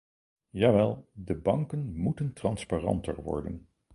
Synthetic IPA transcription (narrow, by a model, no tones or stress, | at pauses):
jaːʋɛlˠdəbɑŋkənmutəntrɑnspaːrɑ̰ntə̰ɹʋɔ̰ɹdən